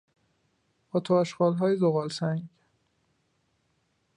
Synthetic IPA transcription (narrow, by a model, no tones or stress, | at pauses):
ɒːt̪ʰoæʃɢɒːlɦɒːjezoɣɒːlsæŋɡ